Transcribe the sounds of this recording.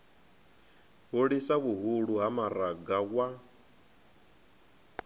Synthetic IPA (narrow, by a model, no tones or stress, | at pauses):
ɦoɺisakuɦuɺuɦamaɾaɡakwa